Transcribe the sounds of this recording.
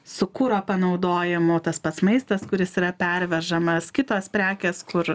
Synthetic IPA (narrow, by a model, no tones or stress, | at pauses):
sʊkuːɾoːpɐnɐʊd̪oːjɪmʊt̪ɐspɐt̪smɐɪst̪ɐskʊɾʲɪsiːɾɐpʲɛɾʲʋʲɛʒɐmɐskʲɪt̪oːspʲɾʲæːkʲeːskʊɾ